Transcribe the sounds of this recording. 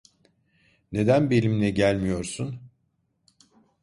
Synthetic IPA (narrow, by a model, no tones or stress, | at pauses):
ne̞d̪ænbelʲimlʲɛɟælʲmijo̞ɾsun